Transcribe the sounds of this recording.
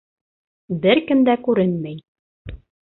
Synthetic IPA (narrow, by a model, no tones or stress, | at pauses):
bɘɾkɘ̆md̪ækʉɾɘnmæj